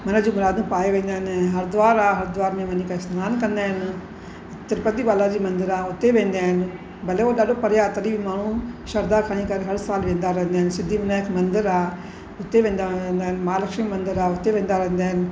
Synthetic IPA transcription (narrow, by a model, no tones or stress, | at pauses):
mɐnəd͡ʑiːmʊɾaːd̪ũpaːeʋẽːn̆d̪aːɦɪnɦɐɾd̪ʊʋaːɾaːɦɐɾd̪ʊʋaːɾmẽʋɐɲĩkʰaɪsnaːnkɐ̃nd̪aːɦɪnɪ | ɪt̪ɪɾpət̪iɓaːlad͡ʑiːmɐ̃nd̪ɪɾaːʊt̪eʋẽːnd̪aːɦɪnɪ̆ | bɐleoɗaːɗopɐɾjat̪ɐɾiːbimaːɳ̤ũʃɐɾd̪akʰɐɽ̃ikɐɾeɦɐɾsaːlʋẽːnd̪aɾɐɦɪ̃nd̪aːɦɪnsɪd̪ʱimɪnaɦɪkmɐ̃nd̪ɪɾaː | ʊt̪eʋẽːn̆d̪and̪aːɦɪnɪmaːlɐkʃmimɐ̃nd̪ɪɾaːʊt̪eʋẽːn̆d̪aɾɐɦɪ̃n̆d̪aːɦɪnɪ̆